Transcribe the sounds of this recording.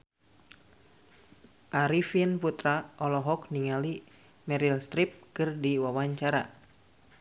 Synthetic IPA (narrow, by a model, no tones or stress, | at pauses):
ʔaɾifinput̪ɾaɔlɔɦɔkniŋali | mɛɾilst̪ɾip̚kɨrdiwawaɲt͡ʃaɾa